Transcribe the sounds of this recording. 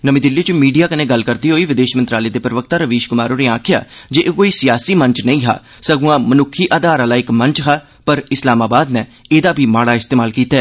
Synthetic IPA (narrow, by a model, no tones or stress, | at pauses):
nəmĩːd̪ɪlːit͡ʃmiːɖijaːkənẽːɡəlkəɾd̪iːɦoːiːʋɪd̪eːʃmənt̪ɾaːleːd̪eːpɾəʋək̚t̪aːɾəʋeːʃkʊmaːɾoːneːãːkʰɪja̰ːd͡ʒeːʔkoːiːsɪjaːsiːməɲt͡ʃnəĩːɦa̰ː | səɡũãːmənʊkʰiːʔaːd̪aːɾalaːɪkməɲt͡ʃɦaː | pəɾɪslaːmaːbaːd̪nɛ̃ːeːd̪aːbʱiːmaːɽaːɪst̪eːmaːlkiːt̪ɛː